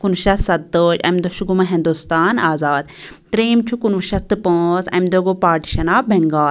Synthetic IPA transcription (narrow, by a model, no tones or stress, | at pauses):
kunʃɐsɐt̪d̪oːd͡ʒɐ̰md̪oʃuɡumɐɦĩnd̪ust̪aːnaːzaːd̪ | t̪ɾeːmt͡ʃʰukunʋɐʃɐt̪ːɨpõːsɐ̰md̪oɡopaːɾʈi̥ʃɐnaːbeŋɡaːl